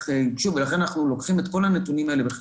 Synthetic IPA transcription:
χeʃuvelaχenanaχnulo̞kχimet̪ko̞lanet̪unimaelebeχ

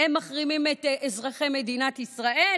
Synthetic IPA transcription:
emːaχʁimimet̪ezʁaχejmed̪inat̪isʁae

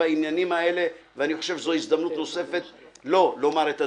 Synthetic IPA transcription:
ainjanimae̞le̞veaniχo̞ʃevzoizd̪amnut̪no̞se̞fe̞t̪lo̞lo̞maʁet̪a

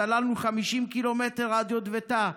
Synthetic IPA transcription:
alanuχamiʃimkilomet̪eʁad̪jod̪vet̪a

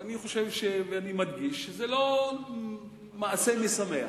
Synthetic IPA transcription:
aniχo̞ʃevʃeveanimadɡiʃːezelo̞ | maːsemesamea

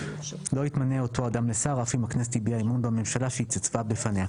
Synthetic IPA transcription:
loitmaneotʰoadamlesaʁafimaknɛst̪ibiaimunbamemʃalaʃit͡set͡svabefanea

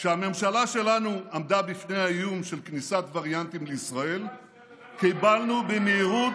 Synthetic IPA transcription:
ʃeame̞mʃalaʃe̞lanuʔamd̪abifne̞jhajumʃe̞lknisat̪vaʁjant̪imleisʁae̞l | kibalnubemeːʁu

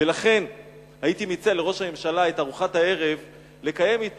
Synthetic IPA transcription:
velaχe̞n | haitimit͡seale̞ʁo̞ʃhame̞mʃalae̞taʁuχathae̞ʁe̞v | le̞kaje̞mit

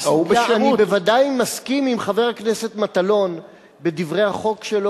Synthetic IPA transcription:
ubeʃanibevadajmaskimimχave̞ʁaknese̞t̪mat̪alo̞n | be̞divʁejhaχo̞kʃelo

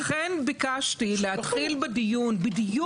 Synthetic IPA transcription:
χenbikaʃtilehat̪χilbedijunbedij

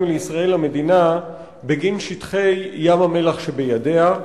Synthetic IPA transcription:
uleisʁae̞lhame̞d̪ina | beɡinʃit̪χe̞jːamame̞laχʃe̞bejade̞a

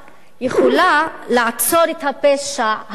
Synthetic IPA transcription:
jeχolalaʕat͡soɾet̪hapeʃah

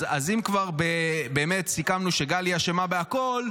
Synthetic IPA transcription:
azimkvaʁbebeːmetsikamnuʃeɡaliaʃe̞mabeako̞l

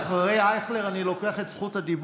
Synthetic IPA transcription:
χaʁejaeχleʁanilo̞keaχetsχut̪had̪ib

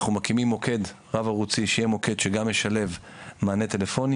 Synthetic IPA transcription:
χumakimimːo̞kʰe̞d̪ | ʁavaʁut͡siʃejemo̞ke̞d̪ʃeɡamjeʃale̞v | maːne̞t̪e̞lefo̞n

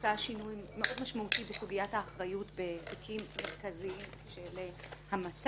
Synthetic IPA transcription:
aʃinujːeʔo̞dmaʃmautibesuɡijathaːχʁajutbe̞tikʰimːeʁkaziim | ʃelehamat

